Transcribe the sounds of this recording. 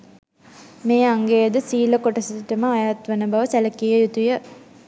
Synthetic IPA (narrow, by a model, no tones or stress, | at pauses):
meːaŋɡejəd̪əsiːləkoʈɐsit̪ʈɐməːjaːt̪ʋɐnəbɐʋəsælɐkijəjut̪ujə